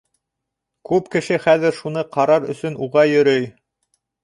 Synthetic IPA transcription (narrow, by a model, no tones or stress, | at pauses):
kʉpkɘ̆ʃɘχæðɘ̆ɾʃunɤqɑɾɑɾɵ̰̆sɵnuʁɑjɵ̆ɾɵj